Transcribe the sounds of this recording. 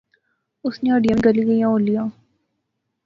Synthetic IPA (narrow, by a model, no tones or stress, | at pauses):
ʊsneəɖijəɡɐliɡəjãolijaː